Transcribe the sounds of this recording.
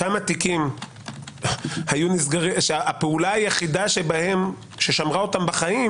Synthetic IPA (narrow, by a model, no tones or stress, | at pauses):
amat̪ikim | hajunisɡaʁiʃaʔapeulaajeχid̪aʃe̞bahe̞m | ʃe̞ʃamʁao̞tambaχaim